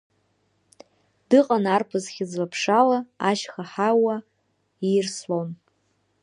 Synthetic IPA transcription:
d̥ɨqʼanarpʰɨzχʲɪzlapʰʂalaaʃχaħawa | irslon

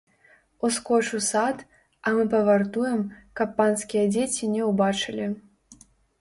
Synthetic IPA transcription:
uskɔt͡ʂusat̪ | ɐmɨpɐvart̪ujɛmkɐpːanskʲijɛd͡zʲet͡sʲinʲɛwbat͡ʂɨlʲi

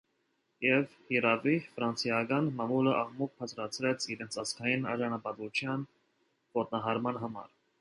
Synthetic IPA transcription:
jɛvhiɾɑvifɾɑnt͡sjɑɡɑnmɑmuləʔɑʁmuk̚pʰɑt͡sʰɾɑt͡sʰɾɛt͡sʰiɾɛnt͡sʰɑskʰɑjinɑ̰ɾʒɑnɑpɑt̪ut͡ʃʰjɑn | vɔt̪̚nɑɦɑɾmɑnɦɑmɑ̰ɾ

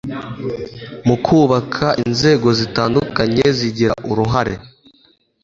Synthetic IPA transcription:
mukʰuːβakʰaʔinze̞ːɡo̞zitaːndukaɲe̞ziɟiɾaʔuɾuɦaɾe̞̰

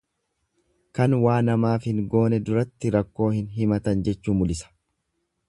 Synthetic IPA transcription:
kɐnwaːnɐmaːfhɪŋɡo̞ːnɛd̪ʊɾɐt̪ːɪɾɐkːo̞ːhɪnɦɪmɐt̪ɐnd͡ʒɛt͡ʃːuːmʊlɪsɐ̥

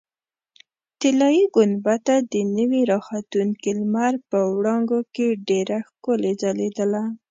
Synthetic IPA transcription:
t̪ɪlɑjiɡʊnbat̪ad̪ənəwiɾɑxat̪unkilmaɾpəwɽɑŋɡokeɖeɾaxkoled͡ʒaled̪əla

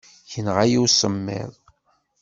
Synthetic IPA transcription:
çənʁajiwsəmːɪ̰ðˤ

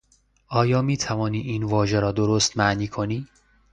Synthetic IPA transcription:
ʔɒːjɒːmiːt̪ʰævɒːniːʔiːnvɒːʒe̞ɾɒːd̪oɾost̪mæʔniːkʰoniː

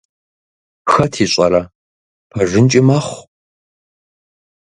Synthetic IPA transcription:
xɐtʰiːɕʷʼɐɾɐ | pʰɐʐɨnt͡ʃʼɪmaːχʷ

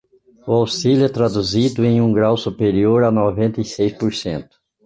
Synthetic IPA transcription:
ʊawsilʊɛt̪ɾad̪uzid̪ʊẽj̃ũɡɾawsupeɾioɾanovẽnt̪ɐjsejspoɾsẽnt̪ʊ̥

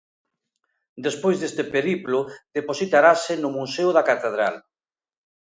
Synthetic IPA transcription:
d̪espojzðest̪epeɾiplʊð̥eposit̪aɾasɪnʊmuseʊðakat̪eð̞ɾa̰l

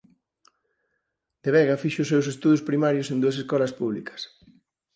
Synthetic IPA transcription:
d̪̥eβɛɣɐfiʃʊʊsːews̬est̪uðʊspɾimaɾjʊsẽnd̪uɐs̬eskɔlɐspuβlḭkɐ̥s

